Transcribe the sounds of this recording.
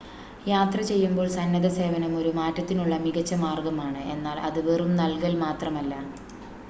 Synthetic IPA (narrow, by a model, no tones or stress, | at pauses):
jaːt̪rɐt͡ɕe̞jːumbo̞ːɭsɐnːɐðɐse̞ːʋɐnɐmo̞ɾumaːtːɐt̪ːinuɭːɐmiɣɐt͡ɕːɐmaːrɡɐmaːɳɨʔe̞nːaːlɐðɨʋerumnɐlkɐlmaːt̪rɐmɐlːɐ